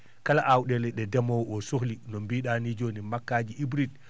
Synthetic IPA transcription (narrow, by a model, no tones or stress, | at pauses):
kalaʔawɗɛlɛɗɛdɛmɔwɔsoxlinɔmbiɗanid͡ʒonimakːaːd͡ʒiʔibɾid̚